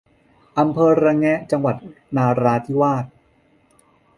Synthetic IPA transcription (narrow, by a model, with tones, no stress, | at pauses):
ʔa˧mpʰɤː˧ɾa˧ŋɛ˦˥ʔt͡ɕa˧ŋwa˨˩t̪̚ | naː˧ɾaː˦˧t̪ʰi˦˥waː˥˩t̪̚